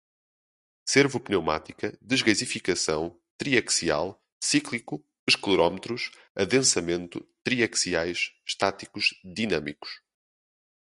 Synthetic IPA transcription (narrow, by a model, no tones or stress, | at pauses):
seɾvupnewma̰t̪ikɐd̪ɨʒɣɐzifikɐsɐ̰̃w̃ | t̪ɾiɐksia̰lˠ | siklˠiku | ɨʃklˠuɾɔmt̪ɾuʃ | ɐðẽsɐmẽnt̪ṵt̪ɾiɐksiajʃʃt̪at̪ikuʒ̥d̪inɐmiku̥ʃ